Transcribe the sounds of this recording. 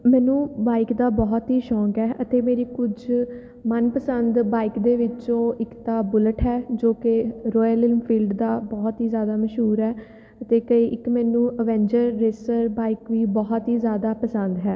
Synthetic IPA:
mɛːnũːbaːɪkd̪aːbɔːt̪ɦiːʃɔ̃ːŋɡɛːʔət̪eːmeːɾiːkʊd͡ʒ | mənpəsənd̪baːɪkd̪eːʋɪt͡ʃõːɪkt̪aːbʊləʈɦɛːd͡ʒoːkeɾɔːjəlɪlmpʰiːlɖd̪aːbɔːt̪ɦiːzjaːd̪aːməʃɦuːɾɛː | ət̪eːkəiːʔɪkmɛ̃ːnũːʔəʋɛ̃ːɲd͡ʒəɾːeːsəɾbaːɪkʋiːbɔːɦɔt̪ɦiːzjaːd̪aːpəsənd̪ɦɛː

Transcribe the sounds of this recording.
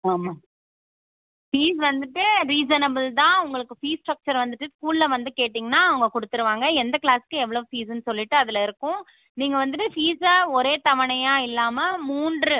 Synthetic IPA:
aːmaː | fiːs̬ʋɐnd̪ɯʈːɯɾiːsɐnɐbɪlt̪ãːʊŋɡɐɭɯkːɯfiːsʈɾɐk̚t͡ʃɐɾʋɐnd̪ɯʈːɯskuːllɐʋɐnd̪ɯkeːʈːiːŋɡɐnaːɐʋɐŋɡɐkɔɽɯt̪ːɯɾɯʋaːŋɡɐɛnd̪ɐkɭaːskːɯɛʋːɐɭɐʋɯ̃fiːsɐnːɯsɔlːɪʈːɯɐðɪlɐɪɾɯkːʊ̃ | niːŋɡɐʋɐnd̪ɯʈːɯfiːsɐɔɾeːt̪ɐʋɐɳɐjaːɪlːaːmɐmuːndrɯ

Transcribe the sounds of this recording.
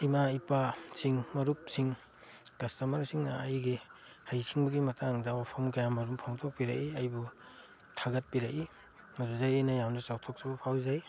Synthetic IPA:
imaipasiŋmɐɾup̚siŋ | kɐstɐmɐɾsiŋnɐːjɡi | hajsʰiŋbɐɡimɐtaŋdɐopʰɔmkajamɐɾumpʰaŋtʰɔk̚piɾa̰ʔiɐjbu | tʰaɡɐt̚piɾaʔi | mɐɾuzajenɐjawnɐsawtʰɔk̚sɐbɐpʰawzaj

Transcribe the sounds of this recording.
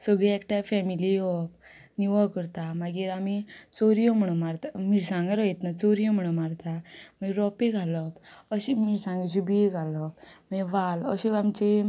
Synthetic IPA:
səɡɭeekʈafɛmiliɔpniʋəkəɾt̪amaɡiːɾamit͡soɾijom̤əɽ̃əmaɾt̪amiɾsãŋɡaɾəet̪nat͡soɾijɔm̤əɽ̃əmaɾt̪amaəiɾɔpeɡʱaləkəɕimisãŋɡet͡ɕibiɡʱaləkmaʋaləɕeamt͡ɕe

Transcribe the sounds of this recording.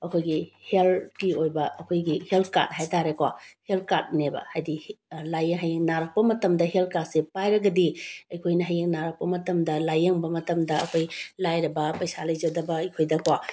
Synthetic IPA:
ɐkʰojɡiheltɡiojbɐɐkʰojɡiheltka̰t̚ɦajtaɾekwahel̚kat̚nebɐ̰hajdilajɐŋɦɐjeŋnaɾɐk̚pɐmɐtɐmdɐɦel̚kat̚sepajɾɐɡɐdiɐjkʰojnɐɦɐjeŋnaɾɐk̚pɐmɐtɐmdɐlajɐŋbɐmɐtɐmdɐɐkʰojlajɾɐbɐpɐjsalɐjd͡ʒɐdɐbɐɐjkʰojdɐkwa

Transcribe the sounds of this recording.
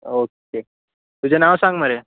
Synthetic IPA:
oke | t̪ud͡ʑenaʋsãŋɡməɾe

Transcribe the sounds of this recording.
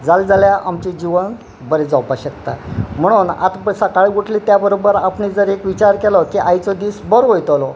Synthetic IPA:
d͡zald͡zaljaʔamt͡ɕid͡ʑiʋən | bəɾed͡zawpaɕəkt̪am̤əɽ̃uːna̰t̪pəsəkaɭiɡoʈʰlit̪jabəɾobəɾapɳid͡zəɾekʋit͡ɕaɾkɛlɔkiʔajt͡sɔd̪iːsbəɾʋojt̪ɔlɔ

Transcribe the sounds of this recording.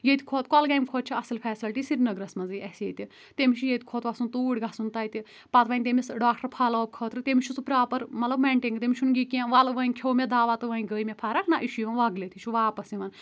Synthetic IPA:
jet̪ʰʲi̥kʰoːt̪kɔlɡajmʲkʰoːt̪̚t͡ʃʰiɐsɨlpʰɛːsilʈisiɾʲnɐɡɾɐsmɐnzɨjʔɐsjeːt̪ʲi | t̪emiʃʰujet̪ʰʲkʰoːt̪ʋɐsunt̪uːɽʲɡɐsunt̪ɐit̪ʲi | pɐt̪ʋɐːnʲt̪̬emisɖaːk̚ʈəɾpʰɐloːb̚kʰəːt̪ɾɨt̪emʲit͡ʃʰust͡supɾʲaːpɐɾmɐt̪lɐbmeɳʈiŋɡt̪emʲit͡ʃʰunɡikʲãːʋɐlʋɐinkʲʰoːwmed̪aːʋat̪ɨʋɐinʲɡəːimepʰaːɾɐkʰnaʔiʃiʋɐnʋɐɡlet̪ʰit͡ʃʰuʋaːpɐsiʋɐn

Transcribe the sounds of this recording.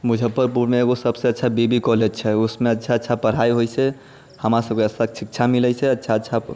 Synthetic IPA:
mud͡ʒʱəpːəɾpuɾmeeːɡosəbseətːʃʰabibikɔlɛt͡ʃʰɛusmeətːt͡ʃʰaətːt͡ʃʰapəɽ̤ajɦojt͡ʃɛ | həmɾasəb̚keəssakesikt͡ʃʰamilɛjt͡ʃʰɛətːʃʰaətːʃʰa

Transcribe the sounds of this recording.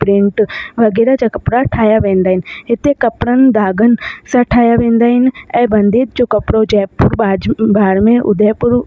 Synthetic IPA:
pɾẽːɳʈʋɐɡɛːɾad͡ʑaːkɐpɾaʈʰaːjaʋẽːn̆d̪aːɦɪnɪ̆ɦɪt̪ekɐpɽənɪ̆d̪aːɡənɪ̆sãʈʰaːjaʋẽːn̆d̪aːɦɪnɪ̆ɛ̃ːbɐ̃nd̪iːt̪̚d͡ʑoːkɐpɽod͡ʑɛːpːʊɾbaːbaːɽmẽʔʊ̰d̪ʱeːpʊɾ

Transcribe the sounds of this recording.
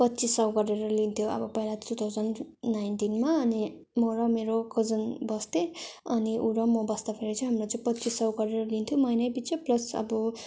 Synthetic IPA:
pʌt̪ːt͡sisʌwɡʌreɾʌlint̪ʰjoʌ̰bʌpʌɦilat̪ut̪ʰawd͡zʌnːajnʈinmaʌni | mʌɾʌmeɾokʌd͡zʌnbʌst̪eʌniʔuɾʌmʌbʌst̪apʰeɾet͡sʰʌ̃ɦamrot͡sʌ̃pʌt̪ːt͡sisʌwɡʌɾeɾʌlint̪ʰjomʌjnʌjbit͡sʌplʌsʌ̰bʌ

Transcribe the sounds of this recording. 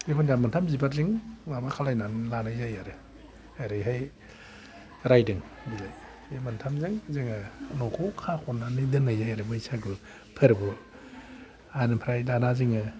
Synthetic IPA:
ekʰɔndamɯntʰamzibaziŋnabakʰalajnanlanajajaɾɯ | aɾɯjɦaj | ɾajdɯŋbilaj | emantʰamzɯŋzɯŋɯnɔwkʰɔwkʰakʰɔnanidɯnːajzajaɾɯbɯjsaɡɯ | pʰɯɾɯbɯ | anɯpʰɾajdanazɯŋɯ

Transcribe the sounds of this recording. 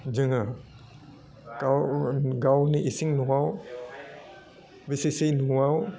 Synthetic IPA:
d͡ʒəŋa | kawɡawniʔisiŋnuaw | visisinuuaw

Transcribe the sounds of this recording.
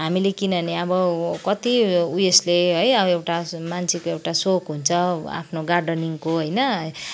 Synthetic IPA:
ɦamilekinʌneʌbʌkʌt̪iuesleɦʌjʌbewʈamant͡sʰikoewʈasokɦunt͡sʰʌa̰pʰnoɡarɖʌniŋkoɦʌjnʌ

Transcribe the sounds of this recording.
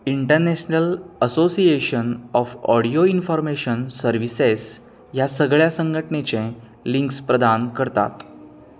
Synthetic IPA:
iɳʈəɾneɕnələsosieɕənɔfɔ̰ɽijoinfɔɾmeɕənsəɾʋises | jasəɡɭjasəŋɡʱəʈnet͡sẽ | liŋkspɾəd̪ankəɾt̪a̰t̪

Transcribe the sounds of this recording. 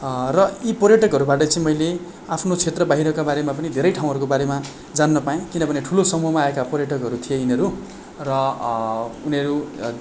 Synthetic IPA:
rʌipʌɾjʌʈʌkɦʌɾubaʈʌt͡sʌ̃ĩmʌjle | apʰnot͡sʰet̪rʌbaɦiɾʌkabaɾemapʌnid̪ʱeɾʌjʈʰaw̃ɦʌɾukobaɾema | d͡zanːʌpajẽkinʌbʱʌneʈʰulosʌmuɦʌmaːekapʌɾjʌʈʌkʌɾut̪ʰijeinʌɾu | rʌ | unʌɾu

